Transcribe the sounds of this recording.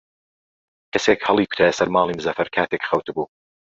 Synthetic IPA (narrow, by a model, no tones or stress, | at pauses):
keseːkhɐlˠiːkʰʷʊ̥t̪ʰaːlɐsɐɾmaːlˠiːmɨzɐfɐɾkʰaːt̪ʰekχɐwt̪ʰɨbuː